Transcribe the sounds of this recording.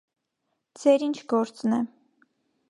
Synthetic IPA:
d͡zɛɾint͡ʃʰɡɔɾt͡snɛ

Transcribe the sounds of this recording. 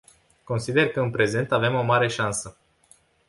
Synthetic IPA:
ko̞nsid̪e̞rkəɨnpɾe̞ze̞nt̪ave̞mo̞maɾe̞ʃansə

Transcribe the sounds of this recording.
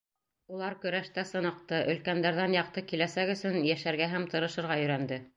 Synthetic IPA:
ulˠɑɾkɵ̆ɾæʃt̪æsɤ̆nɤ̆q̚t̪ɤʔɵ̆lkænd̪æɾðænjɑq̚t̪ɤkilæsækɵ̆sɵnjæʃæɾɡæɦæmt̪ɤ̆ɾɤ̆ʃɤ̆ɾʁɑjɵ̆ɾænd̪ɘ

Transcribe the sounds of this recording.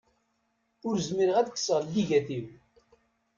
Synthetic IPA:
ʊɾzmiɾəʁæðkːsəʁlːiʝæθim

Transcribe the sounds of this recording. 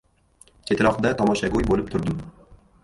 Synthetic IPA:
t͡ʃʰet̪ɪɾɒqd̪at̪ʰɒmɒʃaɡʲojbolɪp̚t̪ʰʊɾd̪ɪm

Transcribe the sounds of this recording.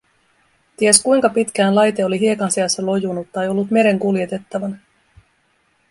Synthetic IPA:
t̪ieskujŋkɑpit̪k̟æːnlɑjt̪e̞o̞liɦie̞kɑnseɑsːɑlo̞junut̪ːɑejo̞lːut̪me̞ɾe̞ŋkulje̞t̪e̞t̪ːɑʋɑn

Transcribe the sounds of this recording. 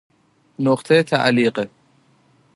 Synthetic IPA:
noqt̪ʰet̪ʰa̰ʔliːqe

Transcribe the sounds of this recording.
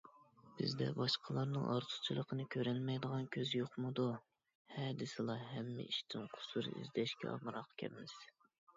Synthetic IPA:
b̥ɪ̰zd̪ɛ̰bɑʃqʰəlˠɑɾnɨŋʔɑ̰ɾt̪ʰʊ̥t͡ʃʰilˠəqʰənɨkʲʰøɾɛnmɛjd̪əʁɑnkʲʰøzjoχmɨd̪u | hɛd̪ɪsɨlˠɑɦɛmːɪ̰iʃt̪ʰɪnqʰʊ̥suɾɨ̰ʔḭzd̪ɛʃkʲʰɛ̰ɑ̰mɾɑqkʲʰɛ̰pmɪz̥

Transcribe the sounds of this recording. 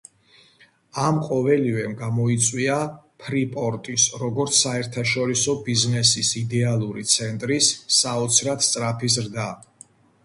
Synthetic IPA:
amqʼɔvɛlivɛmɡamɔit̪sʼwiapʰɾipʼɔɾt̪ʼisɾɔɡɔɾt̪sʰːaɛɾt̪ʰaʃɔɾisɔbiznɛsisid̪ɛalˠuɾit̪sʰɛnt̪ʼɾisːaɔt̪sʰɾat̪st̪ʼɾapʰis̬ɾd̪a

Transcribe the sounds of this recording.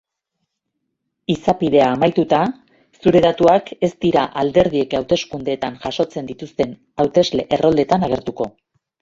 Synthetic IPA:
isapið̞e̞aːmajt̪ut̪a | suɾe̞ðat̪uake̞st̪iɾaʔald̪e̞ɾðie̞kawt̪e̞skund̪eːt̪aŋʝaʃo̞t͡se̞nd̪it̪ust̪e̞n | awt̪e̞zle̞ʔero̞ld̪e̞t̪anaɣ̞e̞ɾt̪uko̞

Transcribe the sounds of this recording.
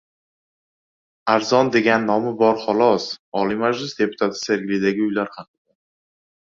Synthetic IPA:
aɾzɒnd̪e̞ɡʲanːɒmɪbɒɾχɒlˠɒsɒlimad͡ʒlɪsd̪e̞pʰʊ̥t̪ʰat̪ʰɪ̥seɾɡʲlid̪aɡʲɪʊjlaɾhaq̚ɨd̪a

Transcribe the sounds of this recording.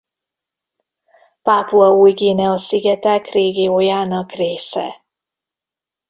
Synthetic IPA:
paːpuɒuːjɡiːnɛɒsiɡɛt̪akreːɡiojaːnɒkreːsɛ̰

